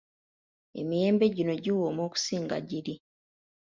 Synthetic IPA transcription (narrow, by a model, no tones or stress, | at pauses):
e̞̰mije̞ːmbe̞ɟino̞ɟiwomoːku̥siːŋɡa̰ɟiɾi